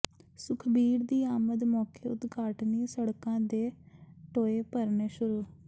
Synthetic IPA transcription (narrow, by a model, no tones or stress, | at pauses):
sʊkʰbiːɾd̪iːaːməd̪mɔːkeːʊt̪ɡʱaːʈniːsəɽkãːd̪eːʈoːeːpəɾneːʃʊɾuː